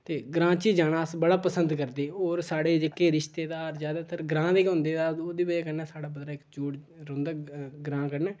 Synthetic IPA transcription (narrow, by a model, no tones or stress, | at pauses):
t̪eːɡɾãːt͡ʃiːd͡ʒaːɽaːsbəɽaːpəsənd̪kəɾd̪eːoːɾsaːɽeːd͡ʒekːeːɾɪʃt̪eːd̪aːɾzjaːd̪aːt̪ʰəɾɡɾãːd̪eːkɦʊ̃nd̪eːd̪aːoːd̪iːbəd͡ʒaːkəɾnɛːsaːɽaːbəd̪ɾaːɪkd͡ʒuːʈ | ɾʊ̃nd̪aːɡɾãːkəɾnɛː